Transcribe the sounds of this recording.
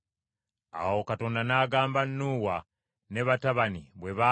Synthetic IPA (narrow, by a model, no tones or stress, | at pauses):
a̰wo̞kato̞ːndanaːɡaːmbanːuːwa | ne̞βataβaniβwe̞βa